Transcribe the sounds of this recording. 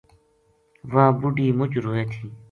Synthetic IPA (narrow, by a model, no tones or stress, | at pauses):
ʋãːbuɖiːmʊt͡ʃɾoːeːt̪ʰiː